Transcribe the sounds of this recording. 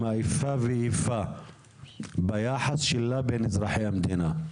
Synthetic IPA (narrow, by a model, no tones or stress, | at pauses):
aʔifaviʔifa | bajaːħasˤʃilːabeːnɪzɾɑħiamd̪iːna